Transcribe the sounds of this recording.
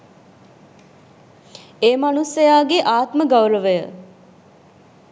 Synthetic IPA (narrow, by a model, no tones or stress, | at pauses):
eːmanusəjaːɡeʔaːt̪məɡawləʋəjə